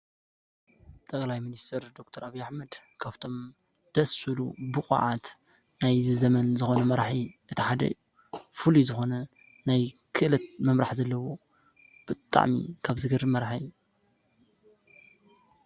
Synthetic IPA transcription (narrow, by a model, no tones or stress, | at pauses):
t̪ʼɐkʼlajminist̪ʰɐɾd̪o̞k̚t̪ʰɐɾaβijaħmɐd̪ | kʰaβt̪ʰo̞m | d̪̥ɐsɨlṵbɨxʼa̰ʕat̪ | najzɨzɐmɐnzɨxo̞nɐmɐɾħiʔɨt̪ʰiħad̪ɐ̰ju | fɨlizɨxo̞nɐ | najkʰɨʔɨlɐt̪̚mɐmɾaħzɐlːɐwo̞ | b̥ɨt̪ʼa̰ʕmḭkʰaβzɨɡɨɾmɐɾħaju